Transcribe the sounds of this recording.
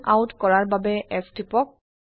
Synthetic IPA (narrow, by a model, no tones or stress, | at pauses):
a̰wutkɔɹaɹbabɛʔɛstipɔk̚